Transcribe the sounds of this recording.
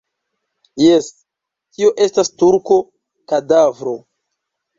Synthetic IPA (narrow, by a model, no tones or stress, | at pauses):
jes | tio̞ʔe̞stastuɾko̞ | kadavɾo̞